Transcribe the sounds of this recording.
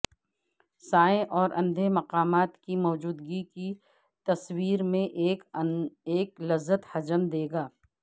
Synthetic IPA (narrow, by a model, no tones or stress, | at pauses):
saːẽʔɔːɾʔɐ̃nd̪ʱemɐqaːmaːt̪kimɔːd͡ʒuːd̪ɡiki | t̪ɐswiːɾmẽʔːkeːklɐzːət̪hɐd͡ʒəmd̪eːɡaː